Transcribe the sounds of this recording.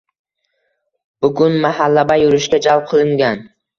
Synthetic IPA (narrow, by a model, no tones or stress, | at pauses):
b̥ʊɡʊnmahalːabajʊɾɪʃkʲad͡ʒalˠp̚qʰɨlˠɪŋɡʲan